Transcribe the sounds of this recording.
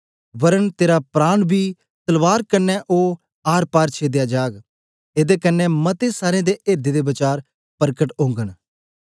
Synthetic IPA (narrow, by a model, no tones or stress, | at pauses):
ʋəɾənt̪eːɾapɾaːɳbʱiː | t̪əlʋaːɾkənːɛʔoː | aːɾpaːɾt͡ʃʰeːd̪ejaːd͡ʒaːɡ | eːd̪ekənːɛmət̪esaːɾẽːd̪eːʔeːɾd̪eːd̪eːbət͡ʃaːɾ | pəɾkəʈõːŋɡəɳ